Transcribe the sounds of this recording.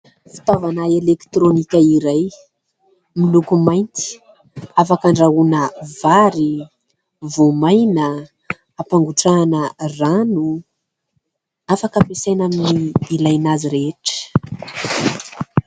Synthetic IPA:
fi̥t̪avanaelekt̪ɾonikʲaiɾaj | milukumajnt̪i̥ | afakaɳɖ͡ʐaunəvaɾi | vomajnə | apaŋɡuʈ͡ʂanəranu | afakəapesajnaminiːlajnaziɾeʈ͡ʂə̥

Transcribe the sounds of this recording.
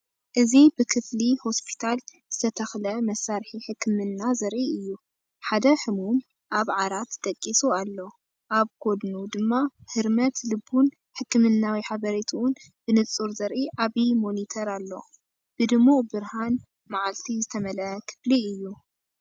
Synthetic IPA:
ʔɨzibɨkʰɨfliho̞spʰi̥t̪ʰalz̥ɨt̪ʰɐt̪ʰɐxlɐmɐsːaɾħiħɨkʰːɨmɨnːazɐɾʔiɨjːu | ħad̪ɐħɨmum | ʔaβʕaɾat̪d̪̥ɐkʼːisualːo̞ | ʔaβkʰo̞d̪nud̪ɨmːahɨɾmɐt̪lɨbun | ħɨkːɨmɨnːawiħaβɐɾet̪ʰuʊn | b̥ɨnɨt͡sʼuɾzɐɾʔiʔaβimo̞nit̪ʰɐɾalːo̞̰ | b̥ɨd̪ɨmːubɨɾhan | maʕalt̪ʰizɨt̪ʰɐmɐlʔɐkʰɨ̥fliɨjːu

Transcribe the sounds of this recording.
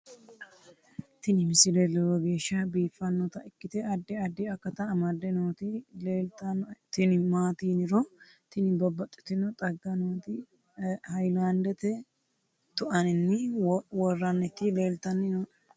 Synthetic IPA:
t̪ɪnɪmɪsɪlɛlɛwɔɡe̞ːʃːɐbiːfːɐnːɔt̪ɐʔɪkːɪt̪ɛɐd̪ːɛɐd̪ːɪɐkːɐt̪ɐmɐd̪ɛnoːt̪ɪleːlt̪ɐnt̪ɪnɪmaːt̪iːnɪɾɔ | t̪ɪnɪbɐbːɐt̪ʼːɪ̥t̪ːɪnɔt̪ʼɐɡːɐnoːt̪ɪ | hɐjland̪ɛt̪ɛ | t̪ʊʔɐnɪnːɪwɔrːɐnːɛt̪ːɪleːlt̪ɐnːɪno

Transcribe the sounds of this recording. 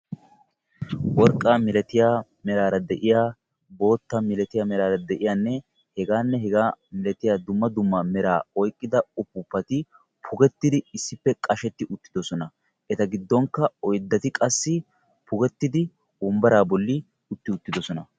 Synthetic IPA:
wɔɾkʼːaːmɪlɛt̪ɪjaː | mɛɾaːɾɐd̪ɛʔɪjaː | bo̞ːt̪ːɐmɪlɛt̪ɪjamɛɾaːɾɐd̪ɛʔɪjaːnːɛ | hɛɡaːnːɛɦɛɡaːmɪlɛt̪ɪjaːd̪ʊmːɐd̪ʊmːɐmɛɾaːɔjkʼːɪd̪ɐʊpːʊpːɐt̪ɪ | pʰʊɡɛt̪ːɪd̪ɪɪsːɪpːɛkʼɐʃɛt̪ːɪʔʊt̪ːɪd̪ɔsɔnɐ | ʔɛt̪ɐɡɪd̪ːɔŋkːɐɔjd̪ːɐt̪ɪkʼɐsːɪ | pʰʊɡɛt̪ːɪd̪ɪ | ʊmbɐɾaːbɔlːɪ | ʊt̪ːɪʊt̪ːɪd̪ɔsɔnɐ

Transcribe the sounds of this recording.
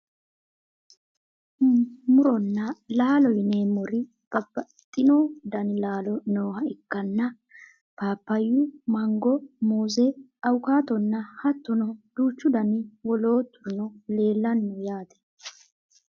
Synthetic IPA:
mʊɾɔnːɐlaːlɔjneːmɔɾɪ | b̥ɐbːɐt̪ʼːɪnoːd̪ɐnlaːlɔnoːhɐɪkːɐnːɐ | paːpːɐjːʊmɐŋɡɔmoːzɛ | ɐwʊkaːt̪ɔnːɐhɐt̪ːɔnɔd̪̥uːt͡ʃːʊd̪ɐnɪwɔlo̞ːt̪ːʊnɔle̞ːlːɐnːɔjaːt̪ɛ̥

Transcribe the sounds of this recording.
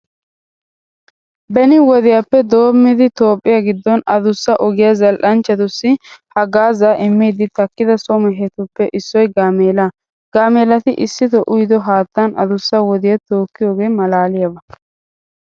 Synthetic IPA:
bɛnɪwɔd̪ɪjapːɛd̪o̞ːmːɪd̪ɪt̪o̞ːpʼːɪjaɡɪd̪ːɔnɐd̪ʊsːɐʔɔɡɪjɐzɐlʔɐnt͡ʃːɐt̪ʊsːɪhɐɡaːzaːʔɪmːiːd̪ɪt̪ɐkːɪd̪ɐsɔmɛɦɛt̪ʊpːɛʔɪsːɔjɡaːmeːla | ɡ̥aːmeːlɐt̪ɪʔɪsːɪt̪ɔʔʊjd̪ɔɦaːt̪ːɐnɐ̰d̪ʊsːɐwɔd̪ɪjɐt̪oːkːɪjo̞ːɡe̞ːmɐlaːlɪjɐbɐ

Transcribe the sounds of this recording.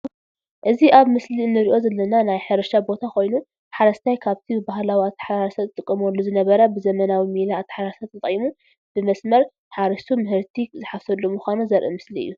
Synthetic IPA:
ʔɨziʔaβmɨslinːɨɾiʔo̞zɐlːɐnanajħɨɾɐʃabo̞t̪ʰakʰo̞jnu | ħaɾɐst̪ʰajkʰaβt̪ʰibɨbaɦlawiat̪ʰːɐ̥ħaɾaɾɐsɐt̪t̪ʼɨkʼːɨmolːozɨnɐβɐɾɐbɨzɐmɐnawimilaːt̪ʰːɐ̥ħaɾaɾsat̪ʰːɐt̪ʼjmu | b̥ɨmɐsmɐɾ | ħaɾɐʃt̪ʰumɨhɨɾt̪ʰizɨħafsɐlːomuxʷanuzɐɾʔɨmɨsliɨ̰jːu

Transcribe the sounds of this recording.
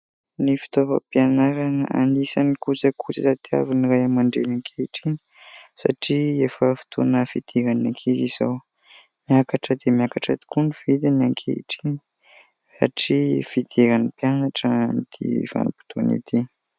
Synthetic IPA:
nifi̥t̪ovə̰pianaɾaŋa̰nisanikut͡səkʰut͡sisat̪ia̰viniɾajamaɳɖ͡ʐenaŋkʰeiʈ͡ʂini̥ | sa̰ʈ͡ʂiefəfi̥t̪ʰonəfid̪̥iɾanakʰeziz̥aw | miakaʈ͡ʂəd̪emiakaʈ͡ʂəd̪i̥kunivid̪inaŋkʰḛḭʈ͡ʂini̥ | sa̰ʈ͡ʂifid̪iɾanipjanaʈ͡ʂəmid̪ḭv̥a̰nupu̥t̪onḭt̪i

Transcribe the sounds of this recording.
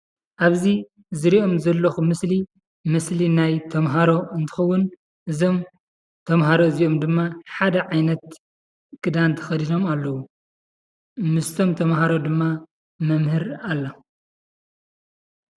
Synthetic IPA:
ʔaβzi | zɨɾiʔo̞mzɐlːɐxumɨsli | mɨslinajt̪ʰɐmɦaɾo̞ɨnt̪ʰɨ̥xɐwːʊn | ʔɨzo̞m | t̪ʰɐmɦaɾo̞ɨzio̞md̪ɨmːaħad̪ɐʕajnɐt̪ | kʰɨd̪ant̪ʰɐ̥xɐd̪ino̞malːɐwu | mɨst̪ʰo̞mt̪ʰɐmhaɾod̪ɨmːa | mɐmhɨɾalːɐ

